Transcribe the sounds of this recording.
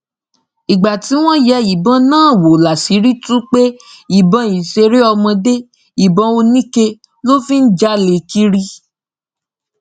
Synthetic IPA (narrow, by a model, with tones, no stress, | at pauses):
i˨ɡ͡ba˨ti˨˦w̃ɔ̃˦jɛ˧˦i˨bɔ̃˨˧nãː˦˨wo˨la˨si˨˦ɾi˦tũ˦k͡pe˦i˨bɔ̃˧i˨ʃe˧ɾe˦ɔ˧mɔ̃˧de˦ | i˨bɔ̃˧˦o˧nĩ˦ke˧ | lo˦fĩ˦n̩˦d͡ʒa˦le˧ki˦ɾi˦